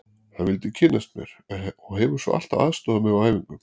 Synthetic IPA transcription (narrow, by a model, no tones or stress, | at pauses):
θaðvɪlt̪ɪcʰɪnːast̪̚mjɛ̰ɾ̥ɔɦɛvʏɾ̥svɔ̰ʔa̰l̥t̪aa̰ːðst̪ɔːðamɛɾaaːjviŋkʏm